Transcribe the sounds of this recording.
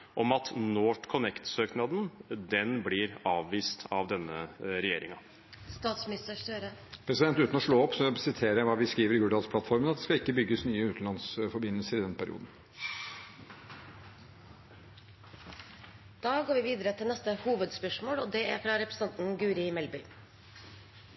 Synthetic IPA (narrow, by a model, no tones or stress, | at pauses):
ʔɔmɑt̪noːʈkʰʊnɛkt̪søːknɑd̪n̩d̪ɛnblɪɾɑːʋʋiːst̪ʰɑʋd̪ɛnːəɾɛjeːɾɪŋɑ | st̪ɑːt̪smnɪst̪əʂøɾəpʰɾɛsɪd̪ɛnt̪ʉːt̪n̩ɔʂɭoːɔpːsɔsɪt̪ʰeːɾəæʋɑːʋɪskɾiːʋəɾɪɡʉːd̪ɑːt̪spʰlɑt̪fɔɾmənɑt̪d̪ɛskɑlɪkːəbʏɡːəsnyːəʉːt̪n̩lɑnsfɔɾbɪnːəlsəɾɪd̪ɛnpʰæɾɪ̰ṵːd̪n̩ | d̪̥ɑːɡoːɾʋɪːʋiːd̪əɾət̪ʰɪlnɛst̪əhuːʋəd̪spœʂmoːloːd̪ɛæɾfɾɑɾɛpɾs̩t̪ɑnt̪n̩ɡʉːɾɪmɛlbʏʏ